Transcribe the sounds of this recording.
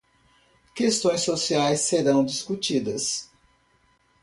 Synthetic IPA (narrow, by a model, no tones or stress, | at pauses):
kest̪õj̃sosiajsːeɾɐ̃w̃d͡ʒiskut͡ʃid̪ɐs